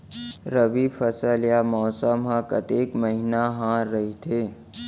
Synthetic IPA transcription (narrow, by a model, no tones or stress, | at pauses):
ɾəʋifʰəsəljamɔːsəmɦãkə̰t̪ekməɦinaɦãɾəɦit̪ʰe